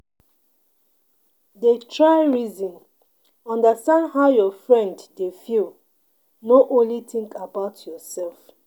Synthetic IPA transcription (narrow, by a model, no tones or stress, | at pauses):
detʰɹaɪɹizɔ̃n | ɔ̃ndastãndɦaʊjɔfɹɛ̃nddefil | noʔõnlitĩŋkʰabaʊtʰjɔsɛlf